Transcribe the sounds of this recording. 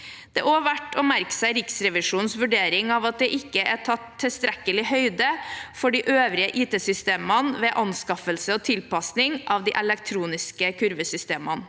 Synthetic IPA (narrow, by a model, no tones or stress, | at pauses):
d̪̥ɛʔoːʋæʈːɔmæɾksæɪɾɪksɾɛʋɪʂuːnsʋʉɖeːɾɪŋɑʋɑt̪̚d̪ɛʔɪkːəæʈʰɑt̪ʰːɪst̪ɾɛkːəlɪhœʏd̪əfɔɖiːʔøːʋɾɪəʔiːt̪eːsʏst̪eːmənʋeːʔɑnskɑfəlsəɔt̪ʰɪlpɑsnɪŋʔɑʋd̪iːʔɛlɛk̚t̪ʰɾuːnɪskəkʰʉɾʋəsʏst̪eːmən